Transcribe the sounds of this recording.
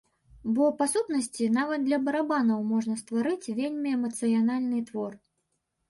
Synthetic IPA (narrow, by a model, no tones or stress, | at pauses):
bɔpasut̪nɐsʲt͡sʲinavɐt̪̚d̪lʲɐbɐɾabanɐwmɔʐnɐst̪vaɾɨt͡sʲvʲelʲmʲiɛmɐt̪sɨjanalʲnɨt̪vɔr